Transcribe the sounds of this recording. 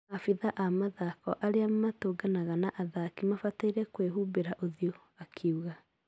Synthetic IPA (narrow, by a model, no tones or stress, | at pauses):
afiðaʔamaðakɔʔaɾeammatoːɡanaɣanaʔaðakimafataiɾɛkweɦuːbeɾaʔoðio | akʰeuɣa